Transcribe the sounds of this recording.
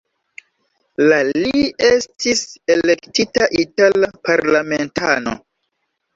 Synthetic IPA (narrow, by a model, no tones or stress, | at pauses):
laliestise̞le̞ktitaʔitalapaɾlame̞ntʰano̞̰